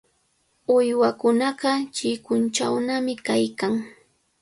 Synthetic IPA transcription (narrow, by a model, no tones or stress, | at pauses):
ʊjwakʊnɑɢɑt͡ʃɪkʊnt͡ʃawnamɪkajkaŋ